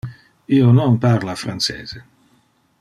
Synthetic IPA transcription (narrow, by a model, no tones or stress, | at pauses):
iːonɔnparlaːfɾansḛːz̥e